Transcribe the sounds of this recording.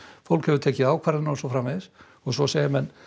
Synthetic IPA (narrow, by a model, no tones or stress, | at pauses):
fowlkhɛvʏɾt̪ʰɛːcɪðaːwkʰvaɾðɪnasɔfɾaːmɛðɪs | ɔɣsɔsɛːjɪmɛnː